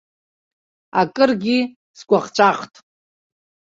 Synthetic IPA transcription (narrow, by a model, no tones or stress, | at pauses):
a̰kʼɨrɡʲi | skʷaχt͡ʃʷʰʼaqtʼ